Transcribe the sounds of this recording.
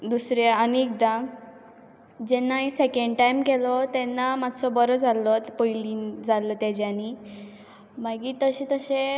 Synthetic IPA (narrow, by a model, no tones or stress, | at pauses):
d̪usɾeaniek̚d̪ã | d͡ʑɛnːaisekeɳɖʈajmkelɔt̪ɛnːamat̪sɔbəɾɔd͡zʱalɔpəjlind͡zʱalɔt̪ed͡ʑani | maɡiːt̪əɕẽt̪əɕe